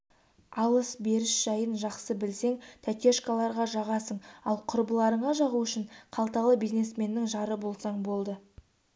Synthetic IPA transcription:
ɑw̪ˠəsbe̞ɾɪʃʒ̥ɑjənʒɑqsəbɪlse̞ŋt̪ʰækʲe̞ʃkalˠɑɾʁɑʒɑʁɑsəɴɑ̰lˠqʰʊɾbəlˠɑɾəɴɑʒɑʁuʏʃɪɴqʰɑlˠt̪ɑlˠəbijznesme̞nːɪŋʒɑɾəbo̞lˠsɑɴbo̞lˠd̪ə

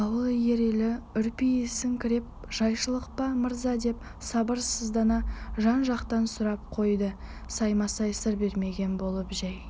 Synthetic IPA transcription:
ɑwəlˠje̞ɾelɪʏɾpijesɪŋkʲʰɪɾe̞p̚ | ʒ̥ɑjʃəlˠəq̚pɑməɾzɑd̪e̞p | sɑbəɾsəzd̪ɑnɑʒɑnʒɑqt̪ɑnsʊɾɑp̚qʰo̞jd̪ə | sɑjmɑsɑjsəɾbe̞ɾme̞ɡʲe̞nbo̞lˠəpʒæj

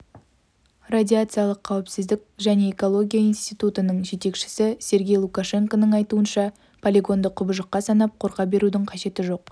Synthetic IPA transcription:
radʲiat̪sɨjɑlˠəqʰːɑwɪpsɪzd̪ɪkʲʒæne̞ːko̞lˠo̞ɡʲijaijnst̪ijt̪ut̪ənəɴʒe̞t̪e̞kʃɪ̥sɪse̞ɾɡʲe̞jlˠukaʃe̞ŋkonəɴɑjt̪uənʃɑ | pʰolʲiɡo̞nd̪əqʰːʊbəʒəqːɑsɑnɑp̚qʰo̞ɾqɑbe̞ɾud̪ɪŋqʰɑʃe̞t̪ɪʒo̞q̚

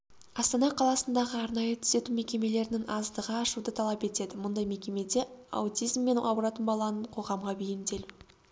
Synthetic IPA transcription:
ɑst̪ɑnɑqʰɑlˠɑsənd̪ɑʁəɑɾnɑjət̪ʰʏ̥z̥e̞t̪ume̞kʲe̞me̞le̞ɾɪnɪŋɑzd̪əʁɑːʃud̪ət̪ʰɑlˠɑpe̞t̪e̞d̪ɪmʊnd̪ɑjme̞kʲe̞me̞d̪e̞ɑ̰wt̪ʲijzmːe̞nɑbɾɑt̪ənbɑlˠɑnəɴqʰo̞ʁɑmʁɑbejɪmd̪e̞lu

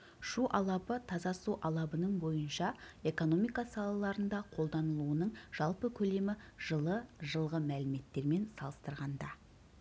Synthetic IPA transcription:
ʃuʔɑlˠɑpət̪ʰɑzɑsuʔɑlˠɑbənəɴbo̞jənʃɑe̞ko̞no̞mijkɑsɑlˠɑlˠɑɾənd̪ɑqʰo̞lˠd̪ɑnəlˠuənəɴʒ̥ɑlˠpəkʲʰɵle̞mɪʒəlˠəʒəlˠʁəmælɪme̞t̪ːe̞ɾme̞nsɑ̰lˠəst̪əɾʁɑnd̪ɑ

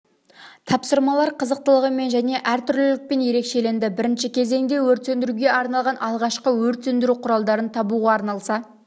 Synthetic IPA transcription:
t̪ʰɑpsəɾmɑlˠɑɾqʰəzəq̚t̪əlˠəʁəme̞nʒæne̞ʔæɾt̪ʰʏɾlɪlɪk̚pe̞nje̞ɾe̞kʃe̞le̞nd̪ɪbɪɾɪnʃɪkʲʰe̞ze̞ŋd̪e̞wɵɾt̪e̞nd̪ɪɾuɡʲe̞ɑɾnɑlˠʁɑnʔɑlˠʁɑʃqəwɵɾt̪ːend̪ɪɾuqʰʊɾɑlˠd̪ɑɾənt̪ʰɑbuʁɑːɾnɑlˠsɑ

